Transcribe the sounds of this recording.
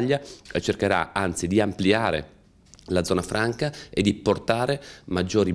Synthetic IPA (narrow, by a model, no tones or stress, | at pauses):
ʎːat͡ʃerkeɾa̰ant̪sid̪iampliaːɾḛ | lad̪zɔːnafɾʔaŋkaed̪ːiport̪aːɾemad͡ʒːoːɾi